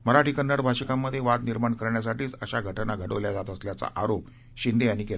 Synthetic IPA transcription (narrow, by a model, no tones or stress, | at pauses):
məɾaʈʰikənːəɽbʱaɕəkamːəd̪ʱːjeʋad̪niɾmaɳkəɾɳjas̬aʈiːt͡səɕaɡʱəʈnaɡʱəɽəʋljad͡zat̪əsljat͡sa̰ʔaɾop̚ | ɕind̪eañikel